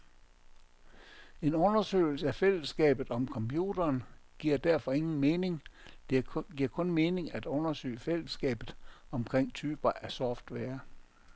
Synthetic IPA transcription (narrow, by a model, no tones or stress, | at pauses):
e̝nɔ̽nɐsø̰ːɪl̩səæfel̰əsɡ̥ɛ̰ːb̥ð̩ˠɒ̽mkʰɒ̽mpʰjuːd̥ɐːn | ɡ̥iɐ̰d̥æɐfɒ̽e̝ŋn̩me̝ːne̝ŋd̥eɡ̥iɐ̰kʰɔ̽nme̝ːne̝ŋæd̥ɔ̽nɐsø̰ːɪfel̰əsɡ̥ɛ̰ːb̥ð̩ˠɒ̽mkʰʁeŋ̰t͡sʰyːb̥ɐʔæsɒfd̥ʋeɐ